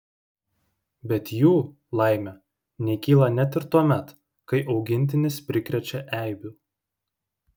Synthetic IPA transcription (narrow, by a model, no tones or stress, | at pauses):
bʲɛt̪juː | lˠɐɪmʲɛ | nʲɛkʲiːlˠɐnʲɛt̪ɪɾt̪uɔmʲɛt̪ | kɐɪʔɒʊɡʲɪnʲt̪ʲɪnʲɪspʲɾʲɪkɾʲɛt͡ʃʲɛʔæˑɪbʲʊ